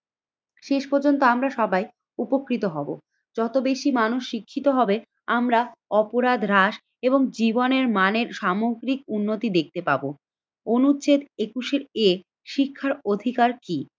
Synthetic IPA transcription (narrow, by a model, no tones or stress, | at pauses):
ʃeʃpɔɾd͡ʑont̪oamɾaʃɔbaj | upokɾit̪oɦɔbo̰ | d͡ʑɔt̪obeʃimanuʃːikʰːit̪oɦɔbe | amɾaɔpoɾad̪ɾaʃ | eboŋd͡ʑiboneɾmaneɾʃamoɡɾik̚unːot̪id̪ek̚t̪epabo | onut͡ɕed̪ekuʃeɾe | ʃikʰːaɾod̪ʱikaɾki